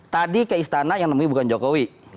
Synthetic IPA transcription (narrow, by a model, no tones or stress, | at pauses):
t̪adikəist̪anajaŋnəmuibukand͡ʒokowi